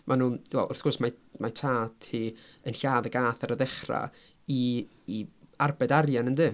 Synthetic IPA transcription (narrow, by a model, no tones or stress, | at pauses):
mʔanuːwɛlˠʊrθɡ̥ʊrsmamajtʰaːdhiənɬaːðəɡaːθaɾəðɛχra̰ | i | iarbɛdarjanəndɨː